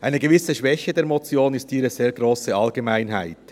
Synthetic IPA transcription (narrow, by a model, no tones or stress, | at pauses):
ʔaɪnəɡevɪsəʃvɛçədeːɐʁmɔt͡sjoːnɪstiːɾəz̥eːɾɡʁoːsəɑlɡemaɪnɦaɪt